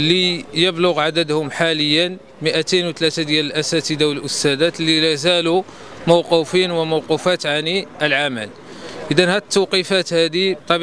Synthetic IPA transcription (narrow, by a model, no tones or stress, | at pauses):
lijəblʊɣʕad̪əd̪hʊmħaləjːən | məʔæt̪enwt̪læt̪ad̪jæləlʔæsæt̪əd̪awələlʔʊst̪æd̪æt̪lilæzælu | məwqufinwəməwqufæt̪ʕaniʔəlʕaməl | ʔəd̪ænhæd̪ət̪ːəwqifæt̪hæd̪it̪ˤːɑb